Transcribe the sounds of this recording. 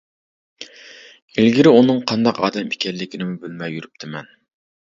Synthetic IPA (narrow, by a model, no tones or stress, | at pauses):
ilɡʲiɾɪunɨŋqʰɑnd̪ɑqɑ̰ːd̪ɛmʰi̥kʲɛɾlːɪkʲinɪmubølmɛjːyɾyp̚t̪ʰɪmɛn